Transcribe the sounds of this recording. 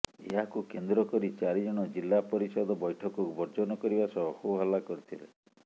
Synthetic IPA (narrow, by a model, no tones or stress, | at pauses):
ḛɦakukend̪ɾɔkɔɾit͡ʃaɾid͡ʒɔɽ̃ɔd͡ʒilːapɔɾisɔd̪ɔbɔjʈʰɔkɔkubʱɔɾd͡ʒɔnɔkɔɾibasɔhuɦɔlakɔɾit̪ʰilḛ